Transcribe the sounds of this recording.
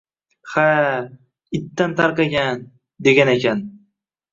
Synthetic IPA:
ha | ɪt̪ːant̪ʰaɾqɑɡʲan | d̪e̞ɡʲanekʲʰan

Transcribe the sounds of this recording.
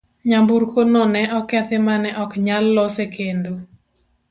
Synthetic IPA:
ɲambuɾkonɔnɛʔɔkːɛt̪ɪmanɛʔɔkɲalːɔsekendo

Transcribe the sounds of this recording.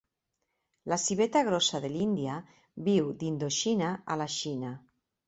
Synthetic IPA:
lasiβ̞et̪aɣ̞ɾosaðelind̪ija | βiwd̪ind̪oʃinaalaʃina

